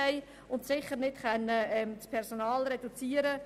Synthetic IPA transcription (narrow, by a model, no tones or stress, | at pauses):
ɛɪ | ʊntsɪχəɾnɪtχɛnːəɛmt͡spʰɛɾsonɑːlɾɛd̥ut͡siːəɾə